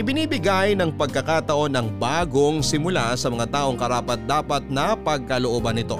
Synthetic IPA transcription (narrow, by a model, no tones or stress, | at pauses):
ʔɪbɪniːbɪɡajnɐŋpɐɡ̚kɐkaːt̪ɐʔo̞nɐŋbaːɡo̞ŋsɪmʊlasɐmɐŋat̪aːʔo̞ŋkɐɾaːpɐt̪̚d̪aːpɐt̪̚nɐpɐɡ̚kɐloʔoːbɐnːɪt̪o̞